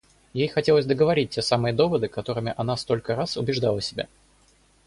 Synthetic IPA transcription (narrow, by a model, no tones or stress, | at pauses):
jejxɐtʲelˠəzʲd̪əɡəvɐɾʲit̚ːʲe̞samɨjəd̪o̞vəd̪ɨkɐt̪o̞ɾɨmʲɪʔɐn̪ast̪o̞lʲkəɾasʊbʲɪʐd̪alˠəsʲɪbʲa̰